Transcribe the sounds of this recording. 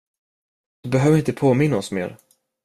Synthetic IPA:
d̪̥ɵbɛɦøːvəɾɪnt̪əpʰoːmɪnːaɔsmḛːɾ

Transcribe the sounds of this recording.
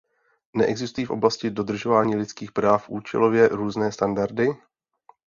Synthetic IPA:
nɛʔɛɡzɪst̪ujiːfʔo̞blascɪdo̞dr̩ʒovaːɲiːlɪt͡skiːxpɾaːfʔuːt͡ʃɛ̰lo̞vjɛɾuːznɛːst̪andaɾdɪ

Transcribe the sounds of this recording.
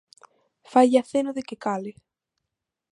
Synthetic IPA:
faʎaθenoðekekale

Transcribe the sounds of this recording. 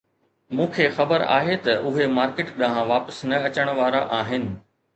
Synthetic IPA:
mũːkʰeːxɐbəɾa̰ːɦet̪ɐʔʊɦemaːɾkɪːʈɗãɦãʋaːpəsnɐɐt͡ɕəɽ̃ʋaːɾaʔaːɦɪnɪ̆

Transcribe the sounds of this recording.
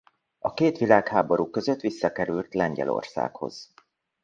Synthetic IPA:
ɒkeːt̪ʋilaːkhaːboɾuːkøzøt̪ːʋisːɒkɛɾylt̪lɛɲɟɛ̰lo̞̰rsa̰ːkho̞̰z̥

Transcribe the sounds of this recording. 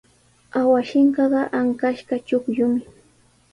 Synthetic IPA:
awaʃɪɴɢɑɢɑʔaŋkaʃɢɑt͡ʃʊkʎʊmɪ

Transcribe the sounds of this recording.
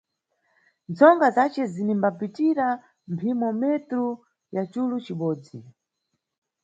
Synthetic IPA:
nt͡sɔŋɡazat͡ʃɛzinimbapitiɾa | mpʰimɔmɛtɾu | jat͡ʃulut͡ʃiɓɔːd͡zi

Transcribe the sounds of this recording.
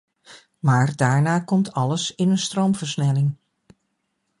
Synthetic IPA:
maːɹdaːɹnaːkɔmtʰɑləsɪnənstrowmvəɹsnɛlɪŋ

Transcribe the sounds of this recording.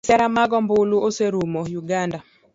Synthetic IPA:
sɛɾamaɡɔmbʊluoseɾumojuɡanda

